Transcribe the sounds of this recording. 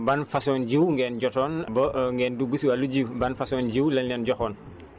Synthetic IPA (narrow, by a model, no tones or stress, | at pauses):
banfasɔːnɟiwŋɡɛːnɟɔtɔːnbɐŋɡɛːndubisuwaluɟiwbanfasɔːnɟiwlɐnɛnɟɔxɔːn